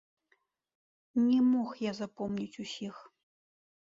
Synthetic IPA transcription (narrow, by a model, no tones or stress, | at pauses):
nʲɛmoxjazapomnʲit͡sʲusʲix